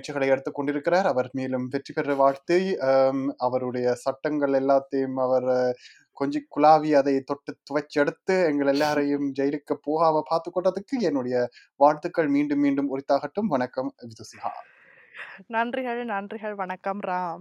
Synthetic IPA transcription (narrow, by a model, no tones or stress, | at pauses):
ʈ̚t͡ʃːɐɣɐɭɐɪɛɽɯt̪ːɯkːɔɳɖɪɾɯkːɪraːɾɐʋɐɾmeːlɯmpɛʈripɛrɐʋaːɻt̪ɐ | ɐʋɐɾɯɽɐjɐsɐʈːɐŋɡɐɭɛlːaːt̪ːɐjɯmɐʋɐɾ | kɔɲd͡ʒɪkːʊlaːʋiɐðɐɪt̪ɔʈːɯt̪ːʊʋɐt͡ʃːɛɽɯt̪ːɯɛŋɡɐɭɛlːaːɾɐjɯmd͡ʒɛjɐlɪkːɐpːoːɣaːʋɐpaːɾt̪ɯkːɔɳːɐðɯkːɯɛnːɯɽɐjɐ | ʋaːɻt̪ɯkːɐɭmiːɳɖɯmːiːɳɖɯmʊrɪt̪ːaːɣɐʈːɯmʋɐɳɐkːɐmʋɪðɯsɪha̰ː | nɐndrɪɣɐɭnɐndrɪɣɐɭʋɐɳɐkːɐmɾaːm